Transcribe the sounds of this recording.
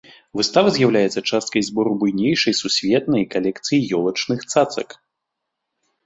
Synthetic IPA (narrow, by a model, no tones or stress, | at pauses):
vɨst̪avɐzʲjawlʲajɛt̪sɐt͡ʂast̪̚kɐjzbɔɾubujnʲejʂɐjsusʲvʲɛt̪nɐjkalʲɛkt̪sɨjijɔlˠɐt͡ʂnɨxt̪sat̪sɐ̰k